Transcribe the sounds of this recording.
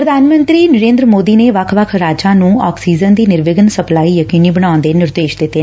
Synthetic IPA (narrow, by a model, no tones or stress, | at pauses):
pɾəd̪ʱaːnmə̃nt̪ɾiːnəɾẽːnd̪ɾəmoːd̪iːneːʋəkʰʋəkʰɾaːd͡ʒãːnũːɔːksiːd͡ʒənd̪iːnɪɾʋɪɡənsəplaːiːjəkiːniːbəɽaːʊ̃nd̪eːnɪɾd̪eːʃd̪ɪt̪ːeɛ